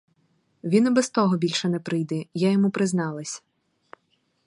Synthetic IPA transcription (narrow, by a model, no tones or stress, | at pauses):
ʋʲinɐbɛst̪ɔɦɔbʲilʲʃɛnɛpɾɪjd̪ɛjajɔmupɾɪznɑlˠɐsʲɐ̥